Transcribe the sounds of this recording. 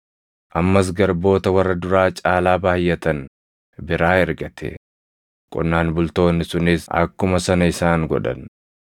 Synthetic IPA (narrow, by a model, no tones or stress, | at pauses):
ʔɐmːɐs̬ɡɐɾbo̞ːt̪ɐwɐrːɐd̪ʊɾaːt͡ʃʼaːlaːbaːjːɛt̪ɐn | bɪɾaːhɛɾɡɐt̪ʰɛ̰ | kʼʊ̰nːaːnbʊlt̪o̞ːnːɪsʊnɪsɐ̰kːʊmɐsɐnɐɪsaːŋɡɔ̰ᶑɐ̰n